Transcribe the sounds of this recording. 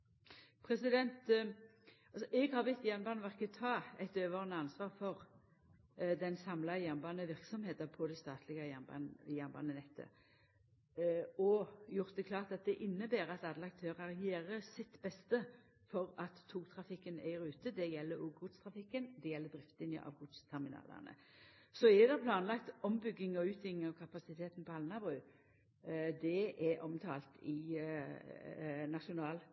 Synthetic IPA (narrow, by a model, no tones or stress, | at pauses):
pʰʁɛsɪd̪ɛnt̪ | ɑlsɔʔɛɡhɑʁʋɪt̪ːjæʁnbɑːnʋæʁkət̪ʰɑːɛt̪øːʋəʁənəɑnsʋɑːʁfɔʁ | d̪ɛnsɑmlɑjæʁnbɑnəʋɪʁksɔmheːt̪əpʰɔd̪æɪst̪ɑːt̪ʰlɪɡəjænbɑ̰njæʁnbɑ̰ːnənɛt̪ʰːə̰ | ɔjʊʁt̪̚d̪ɛkʰlɑːʁt̪ɑt̪̚d̪ɛʔɪnːəbæːɾɑt̪ɑd̪lɑk̚t̪ʰøːʁɑɾɛjeːʁəsɪt̪bɛst̪ə | fɔʁɑt̪ʰːuːkt̪ʰʁɑfɪkːənæ̰ɪɾʉːt̪əd̪ɛjɛlːəɾuːɡʊd̪st̪ʰʁɑfɪkːənd̪ɛjɛlːəd̪ʁɪft̪ɪnjə̰ʔɑ̰ːʋɡʊt̪st̪ʰɛʁmɪnɑ̰ːlɑ̰nə̰ | sɔɛd̪ɛpʰlɑːnlɑkt̪ɔmbʏɡːɪŋɔʉːt̪ɪŋɔkʰɑpɑsɪt̪ʰeːt̪npɔɑlnɑbʁʉː | d̪ɛɛʔɔmt̪ʰɑ̰ːlt̪ʰɪ | nɑʂʊnɑːl